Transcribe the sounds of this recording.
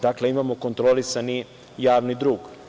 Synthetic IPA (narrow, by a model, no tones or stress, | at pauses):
d̪akle̞imamo̞ko̞nt̪ɾo̞lisani | jaːʋnid̪ɾuːɡ